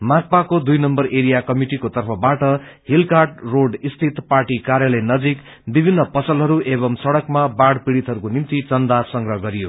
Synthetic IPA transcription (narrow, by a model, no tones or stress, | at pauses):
mak̚pakod̪ujnʌmbʌreɾijakʌmiʈikot̪ʌrpʰʌbaʈʌɦilkarʈroɖist̪ʰit̪parʈikaɾjalʌjnʌd͡zik | bibʱinːʌpʌsʌlɦʌɾuʔeβʌmsʌɽʌkmabaɽpiɽit̪ɦʌɾukonimt̪it͡sʌnd̪asʌŋɡɾʌɦɡʌɾijo